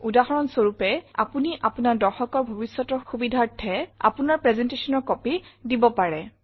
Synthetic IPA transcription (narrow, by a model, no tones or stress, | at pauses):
udaɦɔɹɔnsoɹupɛa̰puniʔapunaɹdɔɹxɔkɔɹbʱobisːɔtɔxubidʱaɹtʰːɛa̰punaɹpɹɛzɛntesɔnɔɹkɔpidibɔpaɹɛ